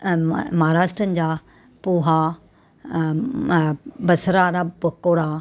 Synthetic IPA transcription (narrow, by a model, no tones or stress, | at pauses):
mɦɾaːʃʈɾənɪ̆d͡ʑaː | puːɦa | bɐsɾaːɾabɐkoːɽa